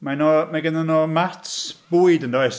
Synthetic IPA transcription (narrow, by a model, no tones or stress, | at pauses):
manɔmaɡənənɔmatsb̥ujdəndɔjs